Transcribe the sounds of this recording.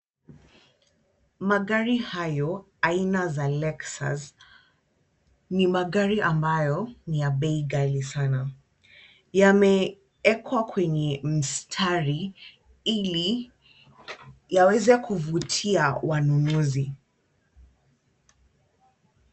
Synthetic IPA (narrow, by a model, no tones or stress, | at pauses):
maɠaɾihajɔ | ainazalɛksa̰s | nimaɠaɾiʔambajɔnijabɛiɡalisana | jamɛ | ɛkʰwakʰwɛɲɛm̩stʰaɾi | ili | jawɛzɛkuvutʰiawanunuzi